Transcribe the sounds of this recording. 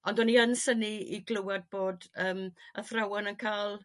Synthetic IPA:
ɔndɔniənsəniiɡlˠəwad̚boːdəːməθrawɔnənkʰaːlˠ

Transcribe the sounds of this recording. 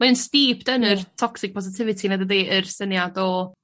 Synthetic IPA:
maɨnstiːpdənərtʰɔksɪk̚pʰɔs̬ɪtʰɪvɪtʰinadəðeːʔərsənjadɔ

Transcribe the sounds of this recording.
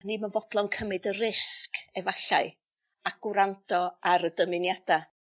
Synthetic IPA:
niːmanvɔdlˠɔnkʰəmɨdərɪskɛvaɬaɨ | aɡ̥ʊɾawntʰɔaɾədəmɪnjad̥a

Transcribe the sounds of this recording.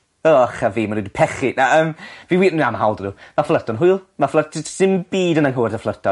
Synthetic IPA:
ɔχaviːmanudpʰɛχɪnaəːmviwiːrnunamɦawlˠdənuːmaflərtʰɔnɦʊjlˠmaflˠəsɪmb̥iːdənaŋɦoɛrdəflˠərtʰɔ

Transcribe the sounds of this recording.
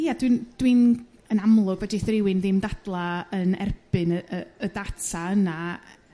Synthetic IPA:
iadwind̥win | ənamlˠʊɡvɛdiθrɪwɪnðɪmdad̥lˠaənɛ̰rb̥ɨnəəədatʰaəna

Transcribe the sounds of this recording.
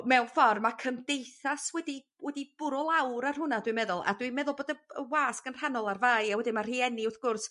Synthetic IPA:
mɛwfɔrmakʰəmdejθaswɛdi | wɛdib̥ʊɾɔlˠawɾarhʊnadwimɛðʊlˠa̰dwimɛðʊlˠboːdəəwaːsɡ̥ənr̥anɔlˠarvaːjawɛdɪmar̥iːɛniʊrθɡ̥ʊrs

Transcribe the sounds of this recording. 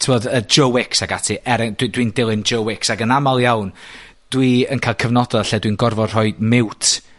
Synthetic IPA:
tʰɪmɔdəd͡ʒəwɪksaɡatʰiʔɛɾɛdwidwindɪlˠɪnd͡ʒowɪksaɡənamalˠjawn | d̥wiənkʰajlˠkʰəvnɔdɔðaɬɛdwinɡɔrvɔrr̥ɔɨdmɪwtʰ

